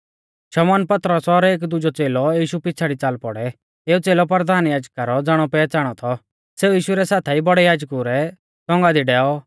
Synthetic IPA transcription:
ʃɐmɔːnpɐt̪ɾəsɔɾeːk̬d̪ʊd͡ʒɔt͡seːlɔjiːʃupɪːt͡sʰaɽit͡saːlpɔɽɛ | eːut͡seːlɔpɾɾəd̪ʱaːnjaːd͡ʒkaɾɔd͡zaːɽ̃ɔpɛːt͡saːɽ̃ɔt̪ʰɔ | seːujiːʃʊɾɛsaːt̪ʰɛibɔɽɛjaːd͡ʒkuɾɛ | t͡sɔ̃ŋɡad̪iɖɛːɔ

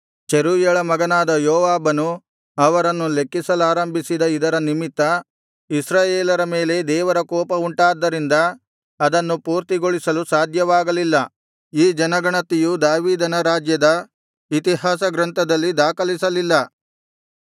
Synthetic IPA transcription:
t͡ʃeɾuːjɐɭɐmɐɡɐnaːd̪ɐjoɔːʋaːbɐnu | ɐʋɐɾɐnːulekːisɐlaːɾɐmbʱisid̪ɐid̪ɐɾɐnimit̪ːɐ | isɾaːjeːlɐɾɐme̞ːle̞d̪ɛːʋɐɾɐkɔːpɐuɳʈaːd̪ːɐɾind̪ɐː | d̪ɐnːupuːɾt̪iɡoɭisɐlusaːd̪ʱjɐʋaːɡɐlilːɐ | iːd͡ʒɐnɐɡɐɳɐt̪ijud̪aːʋiːd̪ɐnɐɾaːd͡ʒjɐd̪ɐ | it̪iɦaːsɐɡɾɐnt̪ʰɐd̪ɐlːid̪aːkɐlisɐlilːɐ

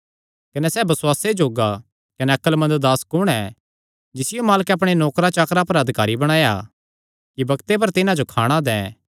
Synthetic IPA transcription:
kɐnɛsɛːbɐswaːsed͡ʒoːɡa | kɐnɛɐkəlmɐ̃ndd̪aːskʊɽ̃ɛ | d͡ʒɪsɪjomaːləkɛɐp̬ɽ̃enɔːkɾat͡ʃaːkɾapɐɾɐd̪ʱɪkaːɾibɐɽ̃aːja̰ | kibɐkt̪ep̬ɐɾt̪ɪnãd͡ʒokʰa̰ːɽ̃ad̪ɛ̃ː

